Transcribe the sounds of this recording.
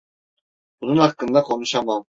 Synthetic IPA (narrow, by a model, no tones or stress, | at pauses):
bununɑqːɯnd̪ɑqʰonuʃɑmɑn